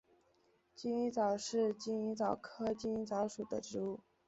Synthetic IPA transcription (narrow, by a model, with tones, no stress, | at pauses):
t͡ɕi˥ni˧˥t͡sɑ˨˩ʊʂɻ̩˥˧t͡ɕi˥ni˧˥t͡sɑ˨˩ʊkʰɤ˥t͡ɕi˥ni˧˥t͡sɑ˧˥ʊʂu˨˩d̪ə˦ʈ͡ʂɻ̩˧˥u˥˩